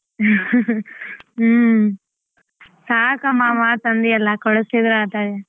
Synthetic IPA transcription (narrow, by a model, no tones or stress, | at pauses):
saːkɐmamat̪ɐnd̪ijɐlːɐkɔɽɐsid̪ɾaːt̪aːde